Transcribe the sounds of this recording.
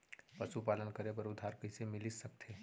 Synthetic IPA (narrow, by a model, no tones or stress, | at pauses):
pɐsupaːlənkəɾepɐɾʊd̪ʱːaːɾkəisemɪlisɐk̚t̪ʰeː